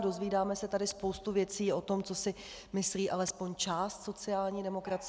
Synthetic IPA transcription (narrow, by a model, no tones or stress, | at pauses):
do̞zviːdaːmɛsɛt̪adɪspo̞wst̪uvjɛt͡siːʔo̞t̪o̞mt͡so̞sɪ | mɪsliːʔalɛspo̞ɲt͡ʃaːst̪so̞t͡sɪaːlɲiːdɛmo̞kɾat͡s